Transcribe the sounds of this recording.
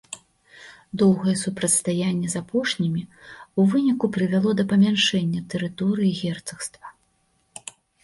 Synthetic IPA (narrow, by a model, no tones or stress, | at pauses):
d̪ɔwɣɐjɛsupɾɐt̪st̪ajanʲːɛzapɔʂnʲimʲiuvɨnʲikupɾɨvʲalˠɔd̪ɐpɐmʲanʂɛnʲːɐt̪ɨɾɨt̪ɔɾɨjiɣʲɛrt̪sɐxst̪vɐ